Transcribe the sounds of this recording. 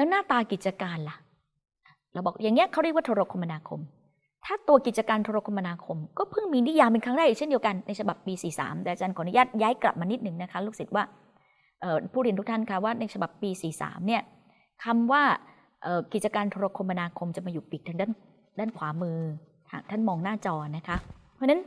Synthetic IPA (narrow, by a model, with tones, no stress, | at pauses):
lɛː˦˥wnaː˥˩t̪aː˧ki˨˩t̪̚t͡ɕa˧kaː˧nla˨˩ | ʔɾa˧˩wbɔː˨˩k̚ja˨˩ŋːni˦˥ɐʔkʰa˥˩ɾi˥˩kwaː˥˩t̪ʰːɾo˦˧kʰo˧mːa˧naː˧kʰo̰˧m | t̪ʰaː˥˩t̪u˧ɐki˨˩t̪̚t͡ɕa˧kaː˧nt̪ʰoː˧ɾo˧kʰo˧ma˧naː˧kʰo˧mkɔː˥˩pʰɯ˥˩ŋmiː˧ni˦˥˨jaː˧pe˧nkʰaː˥˩da˥˩jʔːkt͡ɕʰe˥˩di˧əka˧nːa˧jt͡ɕʰa˧ba˨˩pːiː˧siː˨˩sa̰ː˩˦mt̪ɛː˨a˧t͡ɕaː˧nkʰɔː˨˩˦nu˦jaː˥˩t̪̚jaː˦˥jkla̰˨˩p̚maː˧ni˦˥t̪̚nɯ˨˩ŋna˦˥kʰa˦˥luː˥˩k̚si˨˩t̪̚waː˥˩ | ʔɤː˨˩pʰuː˥˩ɾi˧˩˨nt̪u˦˥kt̪ʰa˥˩nkʰa˦˥waː˥˩na˧jt͡ɕʰa˧ba˨˩pːiː˧siː˨˩sa̰ː˩˦mni˥˩ɐ | kʰa˧mwaː˥˩ | ʔəː˨˩ki˨˩t̪̚t͡ɕa˧kaː˧nt̪ʰoː˧a˧kʰo˧mːa˧naː˧kʰo˧mt͡ɕa˨˩maː˧juː˨˩pi˨˩k̚t̪ʰaː˧ŋdaː˥˩n | daː˥˩nkʰwaː˩˦mɯː˧t̪ʰa̰ː˨˩ŋt̪ʰa˥˩nmɔː˧ŋnaː˥˩t͡ɕɔː˧˩na˦˥kʰa˦˥pʰːna˦˥n